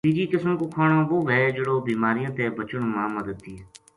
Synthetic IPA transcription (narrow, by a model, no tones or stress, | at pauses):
iːd͡ʒiːkɪsmkoːkʰaːɳãːʋoːʋɛːd͡ʒəɽoːbiːmaːɾijãːt̪eːbət͡ʃəɳmãːməd̪əd̪̚ːiː